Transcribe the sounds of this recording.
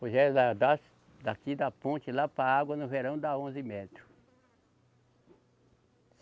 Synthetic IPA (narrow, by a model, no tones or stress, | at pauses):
poʒɛɾd̪ad̪as | d̪akid̪ɐpõt͡ʃɪlapɾaaɡwɐnʊveɾɐ̃w̃d̪aõzɪmɛt̪ɾʊ